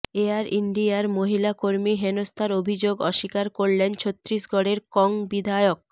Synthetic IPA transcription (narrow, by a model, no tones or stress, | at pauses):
eaɾʔiɳɖiaɾmoɦilakoɾmiɦenost̪ʰaɾobʱid͡ʑoɡɔʃikaɾkoɽlent͡ɕʰot̪ːɾiʃɡʱɔɽeɾkɔŋbid̪ʱajok̚